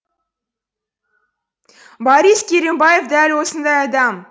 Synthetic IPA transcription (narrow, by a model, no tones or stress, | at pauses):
bɑɾiskʲeɾʲembajefd̪ælwosənd̪ɑjɑd̪ɑm